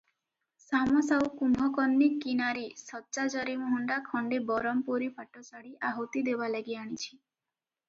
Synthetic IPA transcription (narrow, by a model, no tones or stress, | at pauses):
samɔsawukumʱɔkɔnːikinaɾisɔtːt͡ʃad͡ʒɔɾimɔɦɔɳɖakʰɔɳɖebɔɾɔmpuɾipaʈːɔsaɽiaɦot̪id̪eʋalaɡiaɽ̃it͡ʃʰi̥